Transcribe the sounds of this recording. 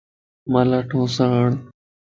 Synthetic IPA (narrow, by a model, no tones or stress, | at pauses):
malaʈʰõːsaɳ